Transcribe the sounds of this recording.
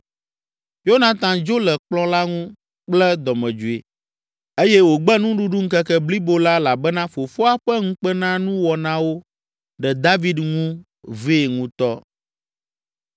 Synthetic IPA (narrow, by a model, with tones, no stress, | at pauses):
jo˦nã˨t̪ã˨d͡ʒo˦lɛ˨k͡plɔ̃˦la˦ŋũ˦ | k͡plɛ˦d̪ɔ˨mɛ̃˨d͡ʒu˨ḛ˨ | e˦jɛ˦wo˨ɡ͡bɛ˦nũ˦ɖu˦ɖu˦ŋ̩˦kɛ˦kɛ˦bli˦bo˦la˦la˨bɛ˦nã˦fo˨fo˦a˦ɸɛ˦ŋũ˦k͡pɛ˦nã˦nũ˦wɔ˨nã˦wo˦ | ɖɛ˨d̪a˦vi˦dŋũ˦ | ve˦e˨ŋũ˦t̪ɔ˦